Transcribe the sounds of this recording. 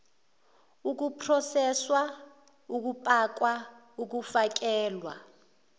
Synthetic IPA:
uk̬upʰrɔsɛswa | uk̬upʼak̬wa | uk̬ufak̬ɛːlwa̰

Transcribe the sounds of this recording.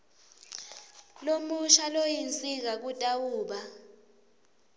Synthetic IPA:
lomuʃalojint͡sʼik̬ak̬utʼawuːɓa

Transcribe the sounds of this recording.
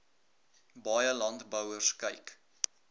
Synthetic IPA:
bɑjəlɐntbəwərskəjk

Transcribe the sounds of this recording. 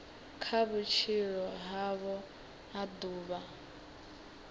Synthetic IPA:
kʰaβut͡ʃʰiɺɔɦaβɔ | aduːβa

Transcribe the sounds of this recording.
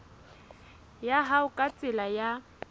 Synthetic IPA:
jaɦaʊkʼat͡sʼɪlaja

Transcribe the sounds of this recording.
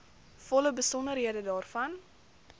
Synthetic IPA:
fɔləbəsɔnərɦiədədɑːrfɐn

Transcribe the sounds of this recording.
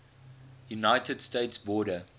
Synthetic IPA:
junaɪtʰədsteɪtsbɔːɾə

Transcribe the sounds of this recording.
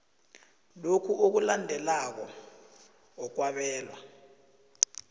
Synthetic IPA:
lokʰuʔok̬ulandʱɛlak̬ɔ | ɔk̬waɓɛːlwa

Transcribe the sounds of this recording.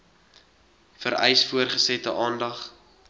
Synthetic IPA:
fəɾɛ̰jsfuərχəsɛtəʔɑːndɐχ

